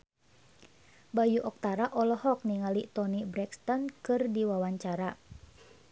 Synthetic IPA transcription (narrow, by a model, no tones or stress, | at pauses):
bajuʔɔk̚t̪aɾaʔɔlɔhɔk̚niŋalit̪ɔnibɾɛkst̪ɔnkɨrdiwawaɲt͡ʃaɾa